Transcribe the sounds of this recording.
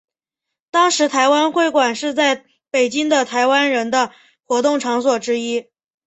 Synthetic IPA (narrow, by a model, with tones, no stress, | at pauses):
t̪ɑ˥ŋʂɻ̩˧˥t̪ʰa˧˥ɪwa˥nxwe˥˩ɪkwa˨˩nʂɻ̩˥˧t͡sa˥˩ɪ | pe˨˩ɪt͡ɕi˥ŋd̪ə˨t̪ʰa˧˥ɪwa˥nɻə˧˥nd̪ə˧ | xwɔ˧˥t̪ʊ˥˩ŋʈ͡ʂʰɑ˧˥ŋswɔ˨˩ʈ͡ʂɻ̩˥i˥